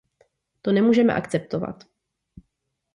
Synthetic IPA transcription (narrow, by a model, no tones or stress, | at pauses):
t̪onɛmuːʒɛmɛ̰ʔakt͡sɛp̚t̪ova̰t̪